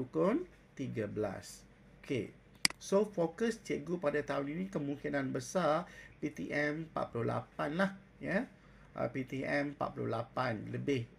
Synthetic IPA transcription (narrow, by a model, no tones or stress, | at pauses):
ukon | t̪iɡəbəla̰s | okʰḛ | sofokəst͡ʃəɡupadat̪auninĩkəmũŋkinãnbəsapit̪iʔɛ̃mpa̰t̪̚pulʊhla̰panlah | ja | ʔə̰pit̪iʔɛ̃mpa̰t̪̚pulʊ̰lapanləbɪh